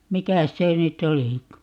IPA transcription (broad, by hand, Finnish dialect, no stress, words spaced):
mikæs se nytˑ olikɑ